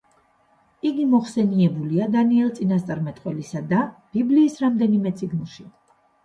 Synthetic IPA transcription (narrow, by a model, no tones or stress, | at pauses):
iɡimɔχsɛniɛbuliad̪aniɛlˠt̪sʼinast̪sʼaɾmɛt̪ʼqʼwɛlisad̪ab̥ibliːsɾamd̪ɛnimɛt̪sʼiɡnlˠʃi